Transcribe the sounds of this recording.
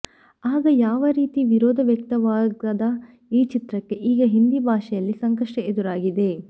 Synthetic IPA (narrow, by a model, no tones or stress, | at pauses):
aːɡɐjaːʋɐɾiːt̪iʋiɾoːd̪ʱɐʋjɐk̚t̪ɐʋaːɡɐd̪ɐ | iːt͡ʃit̪ɾɐkːe̞ʔiːɡɐɦind̪ibʱaːʃɛjɐlːisɐŋkɐʂʈɐed̪uɾaːɡid̪e̞